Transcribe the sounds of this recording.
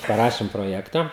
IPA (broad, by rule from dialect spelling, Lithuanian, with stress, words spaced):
pɐˈrɑːʃʲɪm proːˈjæːktɐ